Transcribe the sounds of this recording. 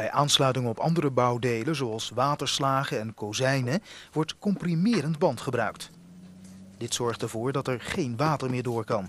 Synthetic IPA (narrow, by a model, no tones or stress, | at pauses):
bɛjʔaːnslœɥtɪŋəɔpɑ̰ndərəbɑwdejləzoɑlˠsʋaːtəɹslaːχəɛnkowzɛjnəʋɔɹtkɔmprimɪːrəndbɑntχəbrœɥk̚t | d̥ɪtsɔɹχtɛɹvʊːɹdɑtɛɹχejnʋaːtəɹmɪːɹdʊːɹkɑn